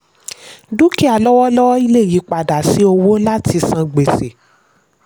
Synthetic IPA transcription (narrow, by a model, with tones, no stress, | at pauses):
du˦ki˦a˨lɔ˦wɔ˦lɔ˦wɔ˦i˧le˦˨ji˨˦k͡pa˨da˨si˨˦o˧wo˦la˦ti˧sã˧ɡ͡be˨se˨